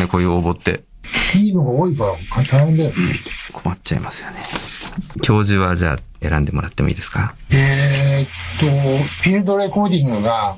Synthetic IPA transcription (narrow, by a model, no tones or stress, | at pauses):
nekojɯobo̞t̪ːe̞̰ | iːnoɡaoːikakat̪ahẽnd̪ajonḛkʰo̞mat͡ɕaḭmasɨ̥jone̥ | kʲʰo̞ːʑɨβad͡ʑa̰ːe̞ɾãnd̪e̞mo̞ɾat̪ːe̞mo̞iːd̪e̞sɨ̥kaet̪ːopʲiɾɯd̪o̞ɾe̞koːd̪ʲĩŋɡɯ̟ɡa